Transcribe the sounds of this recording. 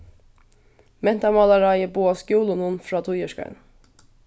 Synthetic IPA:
mɛnt̪ɑmɑlɑɾɑjəbuːɑːskjuːlʊnʊnfɹɑːt̪ʰʊjəʃkɑ̰ɳ

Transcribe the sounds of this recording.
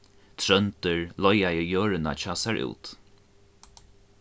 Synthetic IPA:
t̪ʰɾœnt̪əɹlɔjajəjøːɹɪna̰t͡ʃɑːsaɹʔṵːt̪

